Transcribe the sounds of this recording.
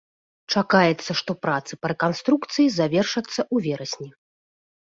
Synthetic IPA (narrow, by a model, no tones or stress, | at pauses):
t͡ʂakajɛt̪sːɐʂt̪ɔpɾat̪sɨpɐɾɛkanst̪ɾuk̚t̪sɨjizavʲɛrʂɐt̪sːɐʔuvʲɛɾɐsʲnʲi